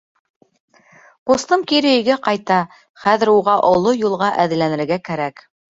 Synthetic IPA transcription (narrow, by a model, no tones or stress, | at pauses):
qust̪ɤmkiɾɘ̆jɘ̆ɡæqɑjt̪ɑ | χæðɘ̆ɾuʁɑʔŏlˠojulˠʁɑʔæðɘ̆lænɘ̆ɾɡækæɾæk